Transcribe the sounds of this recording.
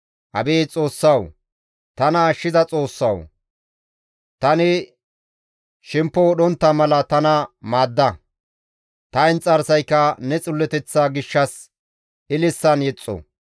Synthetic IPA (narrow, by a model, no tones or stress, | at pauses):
hɐ̰beːt͡sʼo̞ːsːɐw | t̪ɐnɐʃːɪzɐt͡sʼo̞ːsːɐ̰w | t̪ɐnɪ | ʃɪmpːɔwɔɗɔnt̪ːɐmɐlɐt̪ɐnɐmaːd̪ːɐ | t̪ɐɪnt͡sʼɐɾsɐjkːɐnɛt͡sʼʊlːɛt̪ɛt͡sːaːɡɪʃːɐs | ɪlɪsːɐnjɛt͡sʼːɔ̰